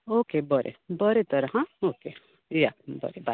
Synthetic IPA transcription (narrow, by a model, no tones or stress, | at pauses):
oːkebɔɾʔḛbɔɾet̪əɾɐɦãoːke | jabʌ̰ɾeba